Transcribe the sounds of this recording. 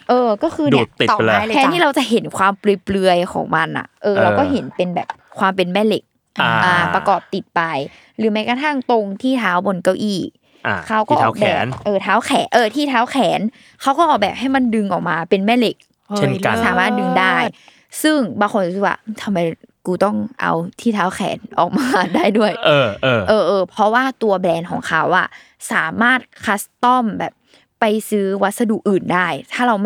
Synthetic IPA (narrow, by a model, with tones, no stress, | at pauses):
ʔɤː˧kɔː˥˩kʰɯː˧n˧˨˩iː˨˩˨ɛː˧˦nʰiː˥˩ɾa˧wt͡ɕa˨˩ɦe˩˦nkʰwaː˧mplɯ˨˧əjplɯ˧əjkʰɔ̰ː˩˦ŋma˧nʔa̰˨˩ʔɤː˧ɾa˧wkɔː˥˩ɦe˩˦npe˧nbɛ̰ː˨˩p̚kʰwaː˧mpe˧nmɛː˥˩le˨˩k̚ | a˧ʔa˧˩pɾa˧kɔː˨˩p̚t̪i˨˩t̪̚pa˧j | ɾɯː˨˩˦ma˦˥jka˧t̪ʰa˥˩ŋt̪o˧ŋt̪ʰiː˥˩t̪ʰaː˦˥wbo˧nka˧˩wʔiː˧˩ | a˧kʰa˦˥wkɔː˥˩ʔɔ˧˨˩bɛː˨˩˦nʔɤː˧˩t̪ʰaː˦˥wkʰɛː˨˩˦nʔɤː˧˩t̪ʰiː˥˩t̪ʰaː˦˥wkʰɛː˩˦n | kʰa˦˥wkɔː˥˩ʔɔː˨˩k̚bɛː˨˩p̚ɦa˥˩jma˧ndɯ˧ŋʔɔː˨˩k̚maː˧pe˧nmɛː˥˩le˨˩k̚ | e˥˧˩saː˨˦maː˥˩t̪̚dɯ˧ŋdaː˥˩j | sɯ˥˩ŋbaː˧ŋkʰo˧nu˧˥sɯ˧˩wa̰ː˥˩˧t̪ʰa˧mːa˧jkuː˧t̪ɔ˥˩ŋʔa̰˧wt̪ʰiː˥˩t̪ʰaː˦˥wkʰɛ̰ː˩˦nʔɔ̰ː˨˩k̚maː˧˦daː˥˩jdu˥˩ɐjʔɤː˧˩˧ʔɤː˧ʔɤː˧pʰɾɔ˧˦˥waː˥˩t̪u˧ɐblɛː˧nkʰɔː˩˦ŋkʰa˦˥wʔa̰˨˩ | saː˩˦maː˥˩t̪̚kʰa˦˥st̪ɔ˥˩mbɛː˨˩p̚ː | a˧jsɯː˦˥wa˦˥t̪̚sa˧duː˨˩k̚ʔɯː˨˩ndaː˥˩jt̪ʰaː˥˩ɾa˧w